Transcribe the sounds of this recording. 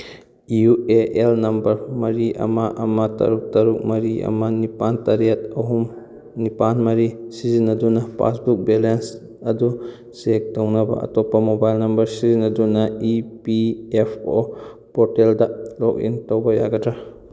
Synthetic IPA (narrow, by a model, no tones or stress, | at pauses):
iueʔelnɐmbɐɾmɐɾiʔɐ̰mɐʔɐmɐtɐ̰ɾuk̚tɐɾuk̚mɐɾiɐ̰mɐnipantɐɾijɐt̚ɐɦum | nipanmɐɾisizinːɐdunɐpʰa̰sbuk̚belens | ɐdu | sek̚townɐbɐ̰ɐ̰topːɐmobajlnɐmbɐɾsizinːɐdunɐipiepʰo̰ | poɾteldɐlok̚ḭntowbɐjaɡɐtɾa